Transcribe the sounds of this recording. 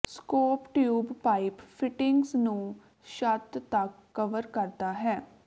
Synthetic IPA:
skoːpʈjuːbpaːippʰɪʈɪŋɡsnũː | ʃət̪t̪əkːəʋəɾkəɾd̪aːɦɛː

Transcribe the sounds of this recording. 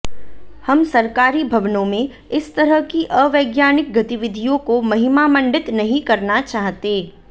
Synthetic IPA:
hɐmsɐɾkaːɾibʱɐʋnõmẽ | ɪst̪ɐɾəɦkiʔəʋɐːɡjaːnɪk̚ɡɐt̪ɪʋɪd̪ʱijõkomɐɦɪmamɐ̃ɳɖɪt̪nɐɦĩkɐɾnat͡ʃaːɦt̪eː

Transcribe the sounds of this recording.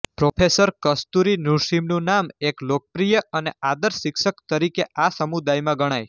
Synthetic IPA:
pɾopʰesəɾkəst̪uɾinuɾʃimnũnameklok̚pɾijəʔənead̪əɾsɪkʃəkt̪əɾikeʔasəmud̪ajmãɡəɽ̃aj

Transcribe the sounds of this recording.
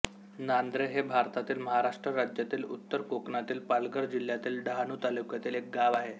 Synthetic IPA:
nand̪ɾeɦebʱaɾt̪at̪iːlməɦaɾaʂʈɾəɾad͡ʑjat̪iːlut̪ːəɾkokɳat̪iːlpalɡəɾd͡ʑil̤jat̪iːlɖɦanuːt̪alukjat̪iːlek̚ɡaʋaɦe

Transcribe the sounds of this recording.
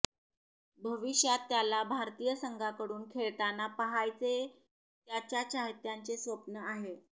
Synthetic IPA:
bʱəʋiɕjat̪ːjalabʱaɾt̪iːjəsəŋɡʱakəɽuːnkʰeɭt̪anːapəɦajt͡se | t̪jat͡ɕjat͡ɕaɦt̪jaɲt͡sesʋəpnəaɦe

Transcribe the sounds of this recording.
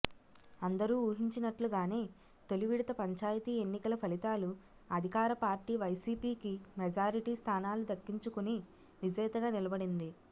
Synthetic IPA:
ɐnd̪ɐɾuːuːɦiɲt͡ʃinɐʈluɡaːne̞ː | t̪o̞luʋiɽit̪ɐpɐɲt͡ʃaːjɐt̪iːe̞nːikɐlɐpʰɐlit̪aːlu | ɐd̪ʱikaːɾɐpaːɾʈiːʋɐjsiːpiːkimɛd͡ʒaːɾiʈiːst̪ʰaːnaːlud̪ɐkːiɲt͡ʃukuni | ʋid͡ʒɛːt̪ɐɡaːnilɐbɐɽind̪i

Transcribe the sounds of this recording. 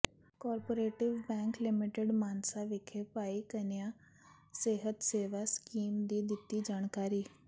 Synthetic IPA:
kɔːɾpoɾeːʈɪʋbɛ̃ːŋklɪmɪʈeɖmaːnsaʋɪkʰepaːikənjã | seːɦət̪seːʋaskiːmd̪id̪ɪt̪id͡ʒaːɳkaːɾiː

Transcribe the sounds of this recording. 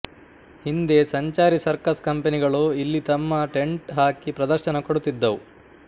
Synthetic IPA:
hind̪e̞sɐɲt͡ʃaːɾisɐɾkɐskɐmpeniɡɐɭuilːit̪ɐmːɐʈe̞ɳʈɦaːkipɾɐd̪ɐɾʃɐnɐkoɽut̪ːid̪ːɐʋu

